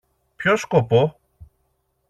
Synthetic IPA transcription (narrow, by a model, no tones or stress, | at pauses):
pçoskopo